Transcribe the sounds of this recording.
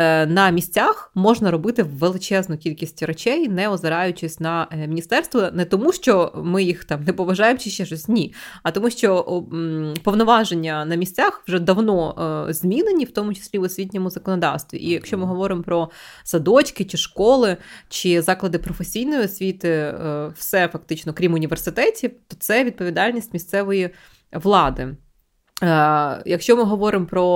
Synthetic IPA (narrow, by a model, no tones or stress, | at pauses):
nɐmʲisʲt͡sʲaxmɔʒnɐɾɔbɪt̪ɪːelˠɪt͡ʃɛznʊkʲilʲkʲisʲtʲret͡ʃɛjnɛɔzɪɾɑjʊt͡ʃɪsʲnɐmʲinʲist̪ɛrst̪ʋɐnɛt̪ɔmuʃt͡ʃɔmɪjixt̪ɑmnɛpɔʋɐʒɑjemt͡ʃɪʃt͡ʃɛʃɔsʲnʲiɐt̪ɔmuʃt͡ʃɔ | pɔʋnɔʋɑʒenʲːɐnɐmʲisʲt͡sʲaxʋʒɛd̪ɐʋnɔzʲmʲinenʲiwt̪ɔmʊt͡ʃɪ̥sʲlʲiɔsʲʋʲit̬ʲnʲɔmʊzɐkɔnɔd̪ɑ̰wst̪ʋʲḭʔijɐkʃʲt͡ʃɔmɪɦɔʋɔɾɪmpɾɔsɐd̪ɔt͡ʃkɪt͡ʃɪʃkɔlˠɪt͡ʃɪzɑklˠɐd̪ɪpɾɔfesʲijn̪ɔjiɔsʲʋʲit̪ɪwsɛfɐk̚t̪ɪt͡ʃnɔkɾʲimʊnʲiʋersɪt̪ɛtʲit̪ɔt̪sɛʋʲid̪̚pɔʋʲid̪ɑlʲnʲisʲtʲmʲisʲt̪sɛʋɔji | ʋlˠɑd̪ɪ | jɐkʃt͡ʃɔmɪɦɔʋɔɾɪmpɾɔ